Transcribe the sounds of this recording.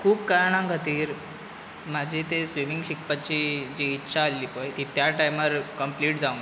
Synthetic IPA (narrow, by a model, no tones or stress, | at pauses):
kʰuːpkaɾɳãŋɡʱat̪iːɾ | mad͡ʑʱit̪esʋimiŋɡɕikpat͡ɕiːd͡ʑiːtːɕʰaːlːiːpojt̪iːt̪jaʈajməɾkəmpliːʈd͡zaũŋɡ